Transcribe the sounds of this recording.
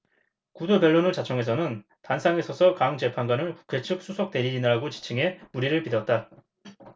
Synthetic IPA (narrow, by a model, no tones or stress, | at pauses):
kudope̞ɭːonɯɭt͡ɕat͡ɕʰʌŋe̞s̬ʰʌnɯn | tansʰaŋe̞sʰʌsʰʌkaŋt͡ɕe̞pʰanŋɡanɯɭku̥kʰe̞t͡ɕʰɯk̚s͈usʰok̚t͈e̞ɾid͡ʑinɯɦaɡot͡ɕi̥t͡ɕʰɯŋe̞muɾiɾɯɭpidʌt̚t͈a